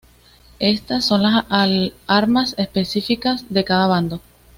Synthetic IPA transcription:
e̞st̪asːo̞nlas | aɾmase̞spe̞sifikasðe̞kaðaβ̞and̪o

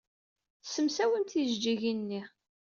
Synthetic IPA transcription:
θsəmsæwənt̪iʒd͡ʒiʝinːi

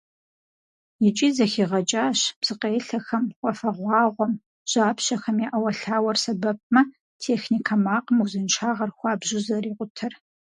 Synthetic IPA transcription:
jɪt͡ʃʼiːzɐxiːʁɐt͡ʃʼaːɕpsɨqeːɬɐxɐmqʷʼɔfɐʁʷɑːʁʷɔm | ʒ̥aːpɕɐxɐmjaʔɐwɐɬaːwɐrsɐbɐp̚mɐ | tʰeːxnikʰɐmaːqʼəmɐwzɨnʃʰaːʁɐrxʷɑːbʒɪzɐriːqʷʼʊtʰɐr

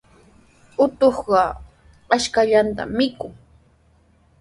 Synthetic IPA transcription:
ʊt̪oχɢɑ | aʃkaʎant̪a̰mːɪkʊŋ

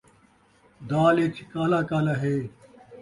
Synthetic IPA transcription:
d̪aːlet͡ɕʰikaːlaːkaːlaɦeː

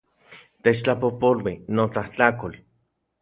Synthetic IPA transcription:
t̪et͡ʃt͡ɬapopolwinot͡ɬaht͡ɬakol

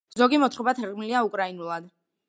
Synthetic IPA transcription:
zɔɡimɔt̪ʰχɔbat̪ʰɛɾʁʼmiliaukʼɾainulˠad̪

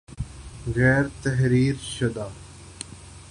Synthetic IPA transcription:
ɣɛːɾt̪ɐɦɾiːɾʃəd̪aː

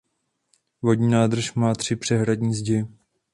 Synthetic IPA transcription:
vodɲiːnaːd̪r̩ʃmaːt̪r̝̥ɪpr̥ɛɦɾadɲiːzɟɛ

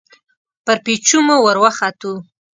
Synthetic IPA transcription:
pəɾpit͡ʃumowəɾwaxat̪u

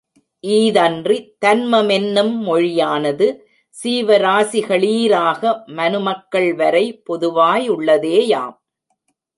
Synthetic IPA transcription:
ʔiːðɐndrit̪ɐnmɐmɛnːɯmːɔɻɪjaːnɐðɯ | siːʋɐɾaːsɪɣɐɭiːɾaːɣɐmɐnɯmɐkːɐɭʋɐɾɐɪpɔðɯʋaːjʊɭːɐðeːja̰ːm

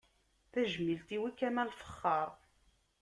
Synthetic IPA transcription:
θæʒmilt̪iwikːæmælfə̥χːɑɾˤ

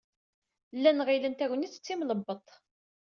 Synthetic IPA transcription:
lːænʁilənt̪æwənit͡sːə̥t͡sːimləbːət̪ˤ

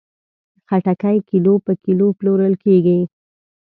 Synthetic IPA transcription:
xaʈakajkilopəkiloploɾəlkeɡi

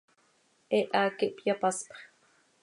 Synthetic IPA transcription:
ʔɛʔaːkiʔpjapɑspχ

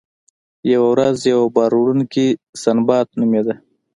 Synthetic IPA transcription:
jawawɾazjawabɑɾuɽunkisanbɑt̪̚numed̪a

